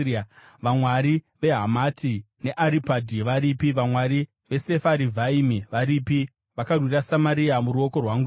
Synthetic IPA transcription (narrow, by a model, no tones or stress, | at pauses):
a | ʋamwaɾi | ʋe̞ɦamati | ne̞ʔaɾipadʱiʋaɾipiʋamwaɾi | ʋe̞se̞faɾivʱaimiʋaɾipi | ʋakarwiɾasamaɾiamuɾuo̞ko̞rwaŋɡu